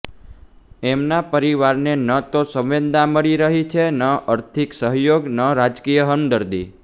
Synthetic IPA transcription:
ɛmnapəɾiʋaɾnenət̪osə̃ʋʋend̪aməɭiɾəɦit͡ʃʰenəʔəɾt̪ʰiksəɦjoɡnəɾad͡ʒkijəɦənd̪əɾd̪i

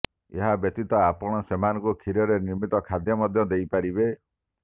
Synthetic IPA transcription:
ḛɦabjɔt̪it̪ɔapɔɽ̃ɔsemanɔŋkukʰiɾɔɾeniɾmit̪ɔkʰad̪ʱjɔmɔd̪ʱjɔd̪ejpaɾibe

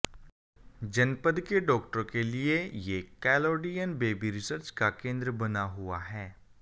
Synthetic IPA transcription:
d͡ʒɐnpəd̪keɖɔːkʈəɾõkeliejekɛːloːɖijənbeːbiɾɪsəɾt͡ʃkakẽːnd̪ɾəbɐnaɦʊaɦɛː

